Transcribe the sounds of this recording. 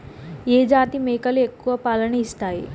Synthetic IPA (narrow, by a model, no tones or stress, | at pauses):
jed͡ʒaːt̪imekɐlekːuʋɐpalɐniːst̪aji